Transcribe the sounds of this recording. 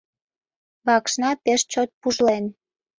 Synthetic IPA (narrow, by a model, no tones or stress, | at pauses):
βɑkʃnɑpeʃt͡ɕot̪̚puʒlen